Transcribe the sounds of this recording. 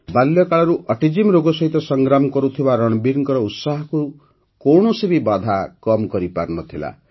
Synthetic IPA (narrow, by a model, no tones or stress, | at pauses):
baljɔkaɭɔɾuʔɔʈid͡ʒimɾoɡɔsɔɦit̪ɔsɔŋɡɾamɔkɔɾut̪ʰibaɾɔɽ̃ɔbiɾŋkɔɾɔut̪saɦɔku | kɔwɳ̃ɔsibibad̪ʱakɔmkɔɾipa̰ɾnɔt̪ʰila̰